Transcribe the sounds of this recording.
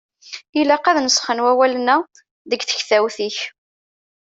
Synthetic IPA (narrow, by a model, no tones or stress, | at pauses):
ilæqæðnəsχənwæwælənæ | ðəɡθə̥çθæwθiç